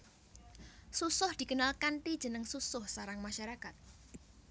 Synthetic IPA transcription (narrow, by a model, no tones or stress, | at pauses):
susʊhd̪̥ikənalkant̪id̥ʒ̥ənəŋsusʊhsaɾaŋmaʃaɾakat̪̚